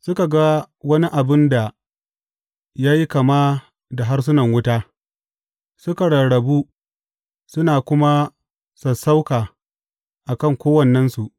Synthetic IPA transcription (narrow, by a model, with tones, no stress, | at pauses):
sʊ˦ka˨ɡa˦ | wɐ˦ni˦ʔa˨bɪ˦nda˨ | jaː˦ji˦kɐ˨maː˦ | da˨ɦa˦rs̬ʊ˦nɐ˨ŋwʊ˦taː˦ | sʊ˦ka˨ɽɐ˨ɽɐ˨buː˦ | sʊ˦naː˨kʷʊ˦ma˦ | sɐ˨sa˦wkaː˨ | ʔa˨kɐ˦˨ŋkʷoː˦wɐ˨nːɐ˦nsu˨ʔ